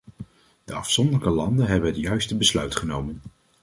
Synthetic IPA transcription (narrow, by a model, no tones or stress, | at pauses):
d̥əɑfsɔndələkəlɑndənɦɛbənətjœɥstəbəslœɥtχənowmən